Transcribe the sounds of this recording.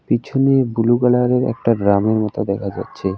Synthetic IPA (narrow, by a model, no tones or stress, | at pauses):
pit͡ɕʰunibuluɡalaɾeɾɛ̰k̚ʈaɖɾameɾmɔt̪od̪ɛkʰad͡ʑa̰tːɕʰe